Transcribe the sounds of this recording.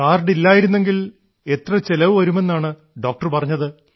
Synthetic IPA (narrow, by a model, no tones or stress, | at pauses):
aːrɖilːaːjiɾunːe̞ŋɡil | e̞t̪rɐt͡ɕelɐʋɨʋɐɾume̞nːaːɳɨ | ɖo̞ːk̚ʈɐrpɐrɐɲːɐðɨ